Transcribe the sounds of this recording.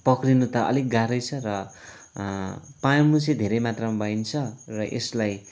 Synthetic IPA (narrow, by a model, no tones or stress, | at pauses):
pʌkrinut̪ʌʔʌ̰lik̚ɡaɾʌjt͡sʰʌrʌ | pãjmut͡sʌd̪ʱeɾʌjmat̪rʌmabajnt͡sʰʌrʌʔḛslaj